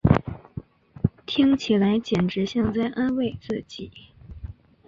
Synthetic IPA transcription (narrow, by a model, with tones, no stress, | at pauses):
t̪ʰi˥ŋt͡ɕʰi˨˩la˧˥ɪt͡ɕjɛ˨˩nʈ͡ʂɻ̩˧˥ɕjɑ˥˧ŋt͡sa˥˩ɪʔa˥nwe˥˧ɪt͡sɹ̩˥˩t͡ɕi˨˩˦